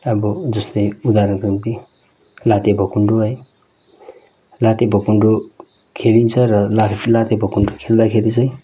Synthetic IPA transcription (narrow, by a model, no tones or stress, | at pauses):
ʌbʌd͡zʌst̪ʌjud̪aɾʌnkrint̪i | lat̪jebʱʌkuɳɖoɦʌj | lat̪ebʱʌkuɳɖo | kʰelint͡sʰʌrʌlalat̪jabʱʌkuɳɖokʰeld̪akʰeɾit͡sʌj̃